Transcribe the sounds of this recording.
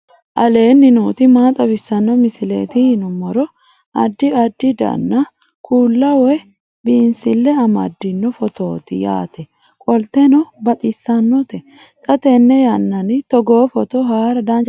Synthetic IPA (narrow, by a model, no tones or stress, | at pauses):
ʔɐle̞ːnːɪnuːt̪ɪmaːt̪ʼɐbɪsːɐnːɔmɪsɪlḛːt̪ɪhɪnʊmɔɾɔ | ɐ̰d̪ːɪɐd̪ːɪd̪ɐ̰nːɐ | kʰuːlːɐwɛ | biːnsɪlːɛɐmɐ̰d̪ːɪnːɔfɔt̪oːt̪ɪ̰ja̰ːt̪ʰɛ | kʼɔlt̪ɛnɔbɐt̪ʼɪsːɐnːɔt̪ɛ | t̪ʼɐt̪ɛnːɛjɐnːɐnɪt̪ɔɡoːfɔt̪ɔhaːɾɐd̪aːnd͡ʒ